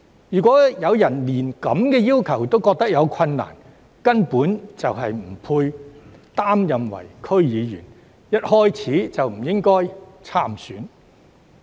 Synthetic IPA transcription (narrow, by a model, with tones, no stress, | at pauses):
jyː˨˩kʷɔː˨˥jɐ˨˧wjɐ˨˩nliː˨˩nkɐ˨˥mkɛː˧jiː˥wkʰɐ˨˩wt̪o˥wkɔː˧k̚t̪ɐ˥k̚jɐ˨˧wkʷʰɐ˧nːa̰ː˨˩n | kɐ˥npuː˨˥nt͡sɐ˨wɦɐ˨jm̩˨˩pʰuː˧jt̪aː˥mjɐ˨mwɐ̰˨˩jkʰɵ˥ɥjiː˨˧jyː˨˩n | jɐ˥t̚hɔː˥jt͡sʰiː˨˥t͡sɐ˨wm̩˨˩jɪ˥ŋkɔː˥jt͡sʰaː˥msyː˨˥n